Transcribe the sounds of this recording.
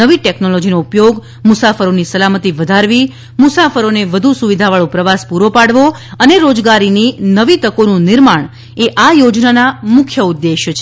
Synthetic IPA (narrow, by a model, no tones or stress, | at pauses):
əʋiʈɛknolod͡ʒinoupjoɡ | mʊsafəɾonisəlamət̪iʋəd̪ʱaɾʋi | mʊsafəɾoneʋəd̪ʱusuʋid̪ʱaʋaɭõpɾəʋaspuɾopaɽʋo | əneɾod͡ʒɡaɾininəʋit̪əkonũnɪɾmaɳ | eʔajod͡ʒnanamʊkʰjəud̪ːeʃt͡ʃʰe